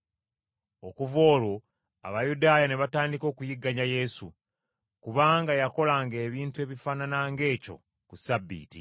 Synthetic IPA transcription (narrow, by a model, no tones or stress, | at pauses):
o̞kuvo̞ːlo̞ | a̰βajudaːjane̞βataːndiko̞ːkujiɡːaɲaje̞su | kuβaːŋɡajako̞laŋɡe̞ːβiːntue̞βifaːnanaŋɡe̞ːco̞̰ | kusabːḭːtḭ